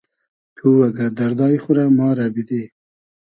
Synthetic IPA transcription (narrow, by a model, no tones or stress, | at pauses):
t̪ʰuːwaɡad̪aɾd̪ɑːjχʊɾamɑːɾabid̪e